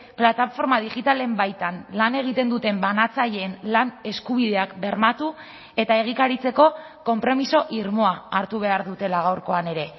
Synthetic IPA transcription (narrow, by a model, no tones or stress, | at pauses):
plat̪afo̞ɾmað̞iʝit̪ale̞mbajt̪anlane̞ɣ̞it̪e̞nd̪ut̪e̞mbanat͡saʎe̞ːnlane̞skuβ̞iðe̞akbe̞ɾmat̪u | e̞t̪ae̞ɣ̞ikaɾit͡se̞ko̞ | ko̞mpɾo̞miso̞ʔiɾmo̞aːɾt̪uβ̞e̞aɾðut̪e̞laɣ̞awɾko̞ane̞ɾe̞